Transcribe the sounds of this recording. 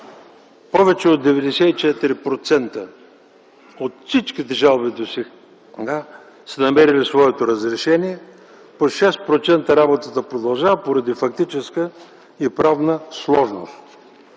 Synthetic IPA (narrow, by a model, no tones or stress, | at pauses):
pɔvɛt͡ʃɛod̪d̪ɛvɛd̪ɛsʲɛt̪it͡ʃɛt̪iɾipɾot̪sɛnt̪ə | ot̪fsit͡ʃkʲit̪ɛʒalˠbid̪osi | ɡa | sənɐmɛɾilisvɔɛt̪oɾəzɾɛʃɛniɛ | poʃɛspɾot̪sɛnt̪əɾabot̪ət̪əpɾod̪ɐlˠʒavəpoɾɐd̪ifɐk̚t̪it͡ʃɛskə | ipɾavnəslˠɔʒno̰st̪